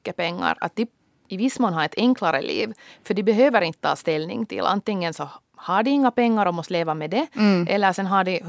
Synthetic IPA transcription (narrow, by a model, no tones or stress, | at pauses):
kːəpɛŋːa̰ɾɑ̰t̪̚d̪ɪ | ɪʋɪsːmoːnɦaɾɛt̪ʰɛŋklaɾə̰lʔḭːʋfœɖɪbɛɦøːʋəɾɪnt̪ə̥t̪ʰɑ̰ːst̪ɛlnɪ̰ŋt̪ʰɪ̰lʔa̰nt̪ɪŋːənsɔ | hɑɖɪɪŋːapɛŋːaɾɔmɔst̪leːʋamɛd̪ɛʔɛlːəsɛnɦaɖɪ